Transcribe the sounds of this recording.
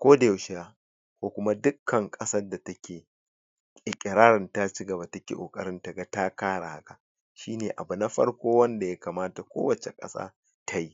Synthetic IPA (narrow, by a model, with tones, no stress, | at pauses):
kʷoː˦da˨jʃɪ˦jaː˦ | kʷoː˦kʷʊ˦ma˦dʊ˦kʰːɐ˨ŋkʼɐ˦sɐ˦rda˨tɐ˦kʲʰeː˨ | kʲʼɪ˨kʲʼɪ˨ɾaː˦ɾɪ˨nta˦t͡ʃi˦ɡɐ˨ba˨tɐ˦kʲḛː˨ʔo̰ː˨kʼɐ˦ɾɪ˦nta˨ɡa˦ta˦kaː˦ɽa̰˨ha˦ka˨ | ʃiː˦neː˨ʔa̰˨bu˨na˦ɸɐ̰˦ɽkʷoː˦wɐ˦nda˨ja˦kaː˨maː˦ta˨kʷo̰ː˦wɐ˨t͡ʃe˨kʼɐ̰˦sa̰ː˦ | tʰa˦ji˦